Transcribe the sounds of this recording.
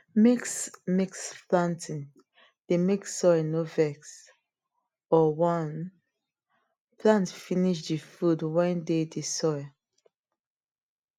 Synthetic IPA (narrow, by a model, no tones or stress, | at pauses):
meksmiksplãntĩn | d̥emeksɔɪnovɛks | ɔwɔ̃n | plãntfiniʃ̬difudwãndedisɔɪ